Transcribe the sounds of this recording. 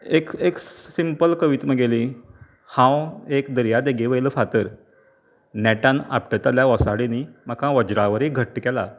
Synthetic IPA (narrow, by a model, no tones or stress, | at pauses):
ekeksimpəlkəʋit̪məɡeli | hãwekd̪əɾjad̪eɡeʋəjləfat̪əɾ | nɛʈãna̰p̚ʈət̪aljaʋɔsaɽinimakãʋəd͡ʑɾaʋəɾeɡʱəʈːkɛla